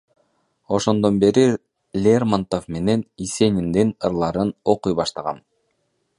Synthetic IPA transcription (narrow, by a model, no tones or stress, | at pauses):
o̞ʃo̞nd̪o̞nbe̞ɾi | lʲermant̪ofme̞ne̞nise̞nʲind̪inɯɾlˠɑɾɯno̞qujbɑʃt̪ɑʁɑ̰n